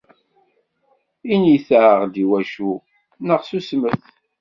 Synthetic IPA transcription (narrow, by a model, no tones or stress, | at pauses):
iniθʕəʁd̪iwæʃu | nəʁsusməθ